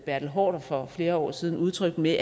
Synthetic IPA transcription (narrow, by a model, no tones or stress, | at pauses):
b̥æɐ̥l̩ɦɒ̰ːɾ̥ɒfɒ̽fle̝ːɐɒ̰ːsiːð̞ˠn̩uð̞ˠt͡sʰʁœɡ̥meʔ